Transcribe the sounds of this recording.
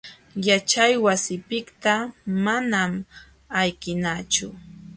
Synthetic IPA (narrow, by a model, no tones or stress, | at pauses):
jat͡ʃajwasɪpɪkt̪amanam | ajkɪnat͡ʃʊ